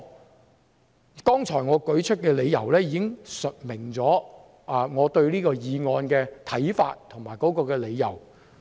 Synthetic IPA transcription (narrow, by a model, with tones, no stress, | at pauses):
kɔː˥ŋt͡ʃʰɔː˨˩jŋɔː˨˧kɵ˨˥ɥt͡ʃʰɵ˥t̚kɛː˧le˨˧jjɐ˨˩wlɛː˥jiː˧kɪ˥ŋsɵ˨t̚mɪ˨˩ŋt͡sɔː˨˥ | aː˨˧ŋɔː˨˧t̪ɵ˧ɥliː˥kɔː˧jiː˨˧ŋɔː˧nkɛː˧t̪ʰɐ˨˥jfa̰ː˧t̚t̪ʰʊ˨˩ŋmaː˨˩jkɔː˨˥kɔː˧kɛː˧le˨˧jjɐ̰˨˩w